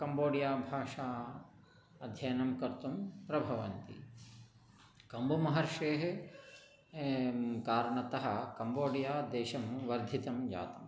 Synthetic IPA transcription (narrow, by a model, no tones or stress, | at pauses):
kɐmboːɽijaːbʱaːʂaː | ɐd̪ʱjɐjɐnɐmkɐɾt̪umpɾɐbʱɐʋɐnt̪ḭ | kɐmbumɐɦɐɾʂeːɦe | kaːɾɳɐt̪ɐɦɐ̆kɐmboːɽijaːd̪eːʃɐmʋɐɾd̪ʱit̪ɐmd͡ʒa̰ːt̪ɐm